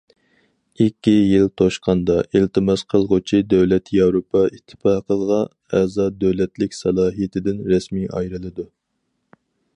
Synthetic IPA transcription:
ikʲʰːijilt̪ʰoʃqʰɑnd̪ɑʔilt̪ʰɨmɑsqʰəlˠʁʊt͡ʃʰid̪øwlɛt̪ʰjɑwɾopʰɑit̪ʰːɨ̥pɑqəlˠʁɑ | ɛzɑd̪øwlɛt̪lɪkʲsɑlˠɑːɦijet̪ʰɪd̪ɪnɾɛsmiʔɑ̰jɾɨlˠɨd̪u

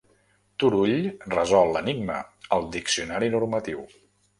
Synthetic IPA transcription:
t̪uɾuʎrəzɔlˠːəniɡ̚mə̰əlˠd̪iksiunaɾinurmət̪iw

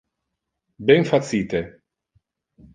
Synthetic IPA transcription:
bɛnfat̪siːt̪e

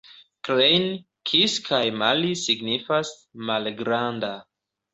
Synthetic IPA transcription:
klejn | kʰiskʰajmalisiɡnifas | malɡɾanda

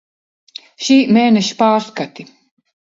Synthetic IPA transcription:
ʃiːmeːnɛʃi̥paːɾskat̪i

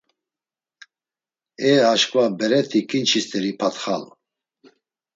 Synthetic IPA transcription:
ɛaʃkʼvabɛɾɛt̪ʰikʼint͡ʃʰist̪ʰʼɛɾipʰat̪χa̰l

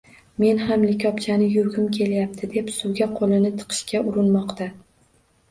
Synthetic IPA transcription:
me̞nɦamlɪkʲʰɒpt͡ʃʰanɪjʊɾɡʲʊmkʲʰe̞ljap̚t̪ʰɪd̪e̞psʊwɡʲaqʰolɪnɪt̪ʰɨ̥qʰɨ̥ʃkʲaʔʊɾɪnmɒqt̪ʰa

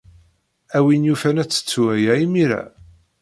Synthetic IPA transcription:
æwinjufænæt͡sːə̥t͡sːuwæjæimiɾæ̰

